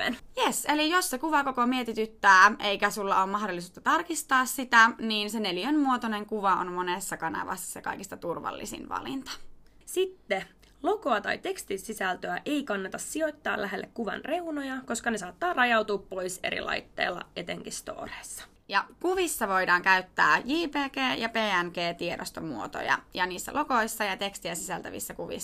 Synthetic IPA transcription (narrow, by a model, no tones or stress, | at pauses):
ḛnjeselijossekuʋɑkokomiet̪it̪yt̪ːæːʔe̞ikæsulːɑoːmmɑhdolːis̬uːt̪ɑt̪ɑrkist̪ɑːssit̪æniːnsenelijønmuot̪one̞ŋkuʋɑo̰nmo̞nesːɑkɑnɑ̰ʋɑ̰sːɑ̥sjɑkɑ̰jkist̪ɑt̪urʋɑ̰lːḭsḭnʋɑ̰lḭnt̪ɑ̥ | sit̪ːe | lo̞ko̞ɑt̪ɑ̰jt̪e̞kst̪isisælt̪øæʔejkɑnːet̪ɑssio̞jt̪ːɑ̰ːlʔæɦelːekkuʋɑ̰nre̞unojɑko̞skɑnesɑːt̪ːɑːrɑjɑwt̪uːppo̞ise̞̰ɾḭlɑ̰jt̪ːḛːlːɑ̰ʔe̞t̪eŋkist̪o̞̰ːreːsːɑ̥ | jɑkuʋisːɑʋo̞jdɑːŋkæyt̪ːæːjiːpeːkeːjɑpeːænkeːt̪iedo̰st̪omuot̪o̰jɑ̰jɑniːsːæ̰lʔo̞ko̞jsːɑjɑt̪e̞kst̪iæsisælt̪æ̰ʋḭsːækuʋḭs